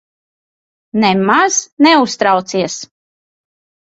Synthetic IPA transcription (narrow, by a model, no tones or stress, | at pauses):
nɛmaz̥nɛust̪ɾawt̪siɛs